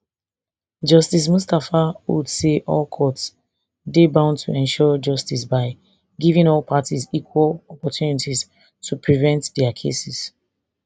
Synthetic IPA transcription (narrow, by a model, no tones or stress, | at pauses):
d͡ʒʌstis̬mustafawṵdseʔɔ̰lkʰɔts | debãʊ̃ntʰuɛ̃nʃɔd͡ʒʌstisbaɪ | ɡivĩŋɔlˠpʰatizikwalɔpɔtʰjunitiz | tʰupʰɹivɛ̃ntdɛakʰḛsis